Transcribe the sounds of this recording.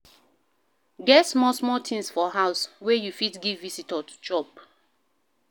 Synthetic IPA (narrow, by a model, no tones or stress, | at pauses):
ɡɛtsmɔsmɔtʰĩŋsfɔɦaʊswejufitɡivːisitɔtu̥d͡ʒɔp̚